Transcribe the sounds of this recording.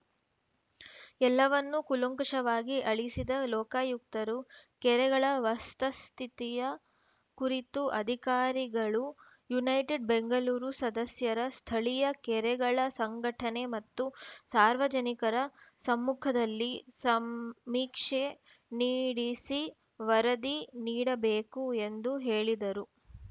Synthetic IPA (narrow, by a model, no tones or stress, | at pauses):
ɛlːɐʋɐnːukuluŋkɐʂɐʋaːɡiʔɐɭisid̪ɐlɔːkaːjuk̚t̪ɐɾukɛɾɛɡɐɭɐʋɐst̪ɐst̪ʰit̪ijɐ | kuɾit̪uʔɐd̪ʱikaːɾiɡɐɭu | junɐjʈeɖbeŋɡɐluːɾusɐd̪ɐsjɐɾɐst̪ʰɐɭijɐkɛɾɛɡɐɭɐsɐŋɡɐʈʰɐnemɐt̪ːusaːɾʋɐd͡ʒɐnikɐɾɐsɐmːukʰɐd̪ɐlːisɐmmiːkʂe | niːɽisi | ʋɐɾɐd̪iniːɽɐbeːkue̞nd̪uɦe̞ːɭid̪ɐɾu